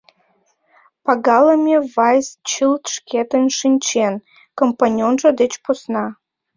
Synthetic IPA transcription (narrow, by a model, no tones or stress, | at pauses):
pɑɡɑləmʲevɑjst͡ɕɨlt̪ʃkʰet̪ənʃinʲt͡ɕen | kompanʲonʒə̆d̪et͡ɕposnɑ